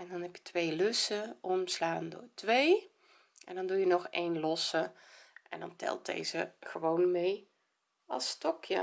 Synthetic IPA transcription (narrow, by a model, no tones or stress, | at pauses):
ʔɛndɔnɦɛpjətʰʋejlɵsəʔɔmslaːndo̰ːtʋej | ʔɛndɔndujənɔxejnlɔsəʔɛ̰ndɔ̰ntʰɛ̰lˠt̚dḛjzəχəʋownmej | ʔɑ̰lˠstɔkʰjə̰